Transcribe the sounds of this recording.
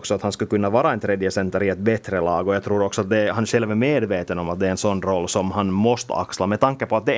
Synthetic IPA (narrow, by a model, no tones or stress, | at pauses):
ksɔat̪hanskɵkɵnːaʋɑːɾaɛnt̪ʰɾeːd̪jəsɛnt̪əɾɪɛt̪̚bɛt̪ɾəlɑːɡɔjɑɡt̪ʰɾuːɾɔksɔat̪̚d̪ɛhanæʂɕɛlʋæmeːd̪veːt̪ənɔmat̪̚d̪ɛɛnsɔnːɾɔlːsɔmɦanmɔst̪ə̰a̰kslamɛd̪t̪aŋkːəpɔat̪̚d̪ɛ